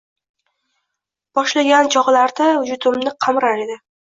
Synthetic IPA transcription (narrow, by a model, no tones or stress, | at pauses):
b̥ɒʃlaɡʲant͡ʃʰɒʁlaɾd̪aʊd͡ʒʊt̪ʰɪmnɪqʰɑmɾaɾed̪ɪ